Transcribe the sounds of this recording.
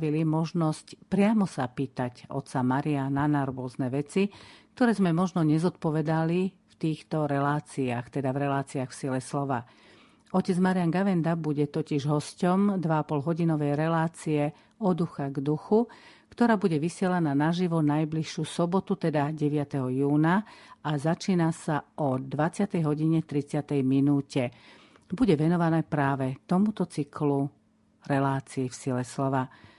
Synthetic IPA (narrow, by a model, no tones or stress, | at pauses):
ʋilimɔʒnɔscpɾɪamɔsa̰piːt̪aɟɔ̰t̪samaɾiananaɾʋʊɔznɛʋɛt͡sikt̪ɔɾɛːzmɛmɔʒnɔɲɛzɔt̪̚pɔʋɛd̪ali | ft̪iːxt̪ɔɾɛlaːt͡siaxt̪ɛd̪avɾɛlaːt͡siaxfsilɛslɔʋa̰ | ɔcɛd͡zmaɾianɡaʋɛnd̪abuɟɛt̪ɔciʒɦɔscɔmd̪ʋaapɔlɦɔɟinɔʋɛjɾɛlaːt͡siɛ | ɔd̪uxaɡd̪uxu | kt̪ɔɾaːbuɟɛʋisɪɛlananaʒiʋɔnajbliʃusɔbɔt̪ut̪ɛd̪aɟɛʋɪat̪ɛɦɔjuːnaazat͡ʃiːnasaɔd̪ʋat͡sɪat̪ɛjɦɔɟiɲɛt̪ɾit͡sɪat̪ɛjminuːcɛ | buɟɛʋɛnɔʋanɛːpɾaːʋɛt̪ɔmut̪ɔt͡siklu | ɾɛlaːt͡siːfsilɛslɔʋa